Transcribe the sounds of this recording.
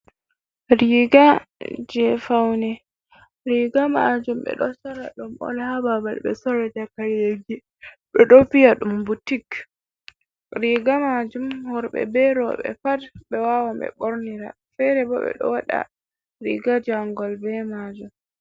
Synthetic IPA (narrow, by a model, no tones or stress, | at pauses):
ɾiɡad͡ʒɛfawnɛ | ɾiɡama̰d͡ʒumɓɛ̰ɗɔsaɾa̰ɗumʔɔ̰lhababalɓɛ̰sɔɾɛd͡ʒakaɾjeɡi | ɓɛɗɔfijaɗumbutik | ɾiɡamad͡ʒumhɔɾɓɛ̰bɛɾɔ̰ɓɛ̰padɓɛwawambɛ̰ɓɔɾniɾa̰ | fɛɾɛbɔɓɛ̰ɗɔ̰waɗa̰ | ɾḭɡad͡ʒaŋɡɔlbɛmad͡ʒum